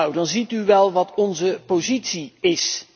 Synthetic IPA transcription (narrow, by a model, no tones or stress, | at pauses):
wdɑnzityʋɛlˠʋɑtʰɔnzəpozitsiɪs